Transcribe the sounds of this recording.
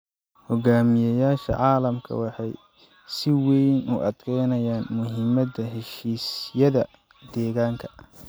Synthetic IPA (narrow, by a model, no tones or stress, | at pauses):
hɔɡaːmɪjɐjaːʃɐ̰ʕɑːlɐmkʰɐ̰wɑħɑj | sɪwɛjnʊʔɐd̪kʰɛjnɐjaːnmʊɦɪmɐd̪ɐɦɛʃiːsjɐðɐ | d̪̥ɛːɣaːŋkʰɐ̥